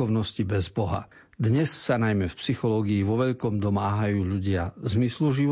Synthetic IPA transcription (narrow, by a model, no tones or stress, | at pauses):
ɔʊnɔscibɛzbɔɦa̰ | d̪ɲɛsːanajmɛfpsixɔlɔːɡiːʋɔʋɛʎkɔmd̪ɔmaːɦajuːʎuɟɪazmisluʒiʋ